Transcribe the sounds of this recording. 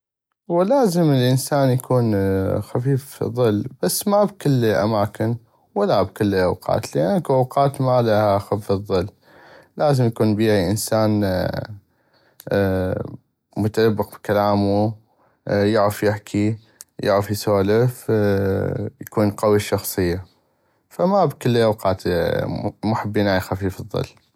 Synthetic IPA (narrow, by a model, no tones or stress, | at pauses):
wɪlaːzɪməlʔənsaːnjakʰuːnxafiːfḭðˤːɨlːb̥asːmabkʊlːʔa̰maːkɪn | walːabkɪlːlʔawqɑ̰ːt̪lɪʔanːkuʔawqɑːt̪malahaxaffɨðˤːɨlː | laːzɪmjakuːnbiːʕiʔənsaːn | mʊt̪anabːɪq̚bkalaːmu | jaʕɪfjɪħkʰi | jɪ̰ʕɾafjsoːlɪf | jakuːnqɑwiʃɑxsˤɨjːa | famabkɪlːʔawqɑːt̪ | mʊħabːiːnaʕajxafiːfɨðˤːɨ̰lː